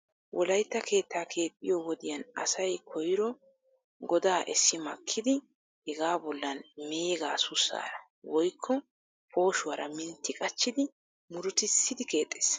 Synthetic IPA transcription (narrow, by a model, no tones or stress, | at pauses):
wʔɔlɐjt̪ːɐkʰe̞ːt̪ːaːkʰe̞ːpʼːɪjɔwɔd̪ɪjɐnɐ̰sɐjkʰɔjɪɾɔ | ɡɔd̪aːʔɛsːɪmɐkʰːɪd̪ɪ | hɛɡaːbɔlːɐnmeːɡaːsʊsa̰ːɾɐ | wɔjkʰːɔ | po̞ːʃʊwɐɾɐ̰mɪnt̪ːɪkʼɐt͡ʃːɪd̪ɪ | mʊɾʊt̪ɪsːɪd̪ɪke̞ːt̪ʼːe̥ːs